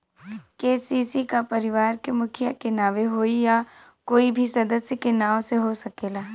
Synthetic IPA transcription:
keːsiːsikapɐɾɪʋaːɾkemʊkʰɪjakɪnaːʋeɦoːija | koːibʱisɐd̪əsjəkenaːʋõseɦosɐkeːlaː

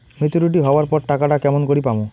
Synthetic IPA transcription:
met͡ʃuɾiʈ̬iɦɔbaɾpɔɾʈakaʈakɛmɔnkɔɽipamũ

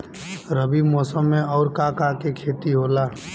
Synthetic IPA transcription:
ɾəbimɔːsəmːẽɔːɾkakakekʰeːt̪iɦoːlaː

